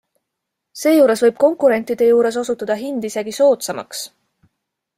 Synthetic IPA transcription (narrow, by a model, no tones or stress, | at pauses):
se̞ːjuːɾe̞svɤjb̥̚ko̞ŋkuɾe̞nt̪ˑid̪̥e̞juːɾe̞s̬o̞sut̪ːˑɑd̪̥ɑɦind̪̥ise̞ɡ̥iso̞ːt̪sɑmɑ̰ks